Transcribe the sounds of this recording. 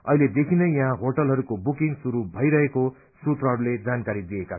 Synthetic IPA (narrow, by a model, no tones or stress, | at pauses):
ʌ̰ɦiled̪ekʰinʌjãɦãɦoʈʌlɦʌɾukobukiŋɡsuɾubʱʌjɾʌɦeko | sut̪rʌɦʌɾuled͡zankaɾid̪ieka